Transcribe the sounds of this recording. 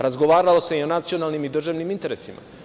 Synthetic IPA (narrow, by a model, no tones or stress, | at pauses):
ɾazɡo̞ʋaːɾalo̞se̞io̞nat̪sio̞nalnimid̪r̩ʒaʋnimint̪e̞ɾesima̰